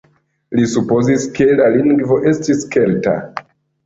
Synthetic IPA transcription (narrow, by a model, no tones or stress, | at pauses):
lisupozizkʰelaliŋɡvoʔestiskelta̰